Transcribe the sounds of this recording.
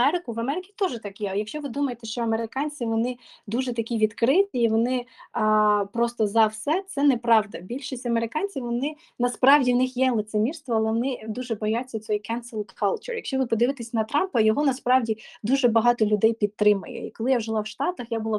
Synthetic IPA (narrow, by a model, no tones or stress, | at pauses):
ɛɾɪkʊʋɐmɛɾɪkʲit̪ɔʒɛt̪ɑkjɛjɐkʃt͡ʃɔʋɪd̪umɐjet̪ɛʃt͡ʃɔɐmeɾɪkɑnʲt͡sʲiʋɔnɪd̪uʒɛt̪ɐkʲiʋʲid̪kɾɪt̪ʲiːʋɔnɪ | pɾɔst̪ɔzɐwsɛt̪sɛnɛpɾɑʋd̪ɐbʲilʲʃisʲtʲɐmeɾɪkɑnʲt͡sʲiʋɔnɪ | nɐspɾɑwdʲiwnɪxjɛlˠɪt̪semʲirst̪ʋɔɐlˠɛʋɔnɪd̪uʒɛbɔjat͡sʲːɐt͡sʲɔjikɛnsɪlˠd̪kʰɑlˠt͡ʃʊ̰rjɐkʃt͡ʃɔʋɪpɔd̪ɪʋɪt̪ɪsʲnɐt̪ɾɑmpɐjɔɦɔnɐspɾɑʋdʲid̪uʒɛbɐɦɑt̪ɔlʲʊd̪ɛjpʲit̪̚t̪ːɾɪmɐ̰jɛ̰ḭkɔlˠɪjaʒɪlˠɑwʃt̪ɑt̪ɐxjabʊlˠɑ